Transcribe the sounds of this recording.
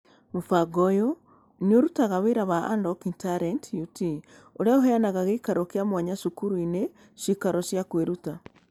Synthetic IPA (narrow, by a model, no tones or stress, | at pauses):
mofaɡɔjo | nioɾutaɣaweɾaβaa̰ndɔkintaɾɛntjuti | oɾeaoɦɛanaɣaɣekaɾɔkeamwaɲaʃukuɾuine | ʃikaɾɔsjakweɾuta